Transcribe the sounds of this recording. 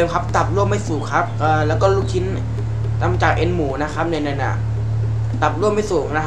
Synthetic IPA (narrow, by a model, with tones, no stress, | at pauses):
mkʰa˦˥p̚t̪a˨˩p̚lu˥˩əmːa˥˩jsuː˨˩kʰa˦˥p̚ʔɤː˨˩lɛː˦˥wkɔː˥˩lu˦˥˩k̚kʰi˦˥n | t̪a˧˩m˧t͡ɕaː˨˩kʔe˧nmuː˩˦na˦˥kʰa˦˥p̚nɯ˧na˧nʔa̰˨˩ | t̪a˨˩p̚lu˥˩əmːa˥˩jsuː˨˩na˦˥